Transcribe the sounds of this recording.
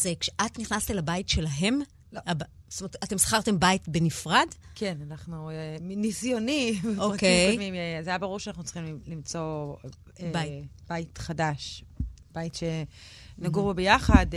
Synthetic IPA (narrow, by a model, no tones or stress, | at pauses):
zekʃeʔatniχnastelabaitʃe̞lɐɦe̞m | abstometate̞msḁχaʁte̞mbaitbe̞nifʁadkʰenanaχnuenisjonivoʁkejmimzajabaʁuʁʃanaχnut͡sχimilimt͡so̞ | bajib̥aitχadaʃb̥ajitʃe | naɡuʁbobejaχad